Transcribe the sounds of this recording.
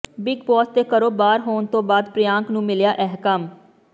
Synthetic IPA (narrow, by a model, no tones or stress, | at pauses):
bɪɡpɔːst̪eːkəɾoːbaːɾɦoːnt̪õːbaːd̪pɾɪjãːŋknũːmɪljaːʔɛɦkəm